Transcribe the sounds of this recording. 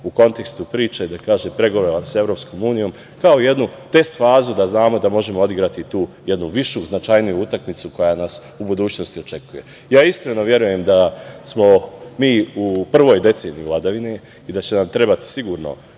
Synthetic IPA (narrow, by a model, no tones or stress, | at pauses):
uko̞nt̪e̞kst̪upɾiːt͡ʃeid̪akaːʒempɾe̞ɡo̞ʋoɾamse̞vɾo̞ːpsko̞muːnijo̞ːm | kao̞ije̞d̪nut̪e̞st̪faːzud̪aznaːmo̞d̪amo̞ʒe̞moo̞d̪iɡɾat̪it̪uːje̞d̪nuʋiʃuznat͡ʃajnijuut̪akmit̪suko̞janas | ubud̪uːt͡ɕno̞st̪io̞t͡ʃe̞kuje̞̰ | jaːiskɾe̞no̞ʋje̞ɾuje̞md̪asmo̞miːupr̩ʋo̞ːjd̪e̞t̪se̞ːnijivlad̪aʋine̞ | id̪at͡ɕe̞namt̪ɾe̞bat̪i̥siɡuːɾno̰